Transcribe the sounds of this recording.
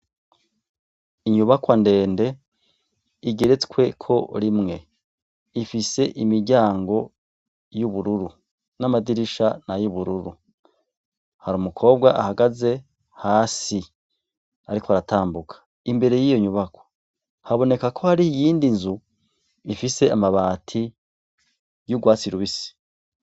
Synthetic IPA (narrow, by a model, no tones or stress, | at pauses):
iɲuβakwande̞ːnde̞ | iɡe̞ɾe̞t͡skwe̞kʰo̞ɾimŋe̞ | ifise̞ʔimiɟaːŋɡo̞ | juβuɾuɾu | namadiɾiʃanajuβuɾuɾu | haɾumukʰo̞ːb̚ɡaʔahaɡaze̞ | haːsi | aɾikoaɾataːmbukʰḁ | imbe̞ɾe̞jijo̞ɲuβakʰo̥ | haβo̞ne̞kakʰo̞haɾiijiːndinzu | ifise̞amaβaːtʰi | juɡwaːt͡siɾuβisi̥